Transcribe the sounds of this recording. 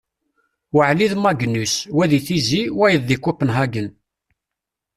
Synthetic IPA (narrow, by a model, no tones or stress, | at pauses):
wəʕliðmæɡnːuswæðiθiziwæjəðːikʷːʊpːənɦæɡən